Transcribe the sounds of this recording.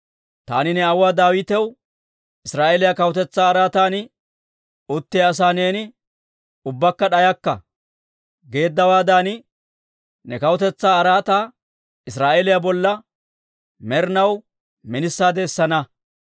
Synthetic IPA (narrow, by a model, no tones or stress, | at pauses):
t̪a̰ːnɪnɛɐwaːd̪aːwɪt̪ɛw | ɪsɾaːʔeːlɪjakɐwɔt̪ɛt͡sːaːɾaːt̪aːnɪ | ʊt̪ːɪɐs̬aːne̞ːnɪ | ʊbːɐkːɐɗɐjɐkːɐ̰ | ɡe̞ːd̪ːɐwaːd̪aːnɪ | nɛkɐwɔt̪ɛt͡sːaːɐɾaːt̪aː | ɪsɾaːʔelɪjabɔlːɐ | mɛɾnɐw | mɪnɪsːaːd̪ɛsːɐnɐ